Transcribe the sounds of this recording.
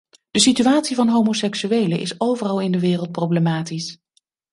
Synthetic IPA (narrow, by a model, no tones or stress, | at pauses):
d̥əsityaːtsivɑnɦowmosɛksyejləʔɪ̰sowvərɑlˠɪndəʋɪːrəlˠt̚prowblemaːtis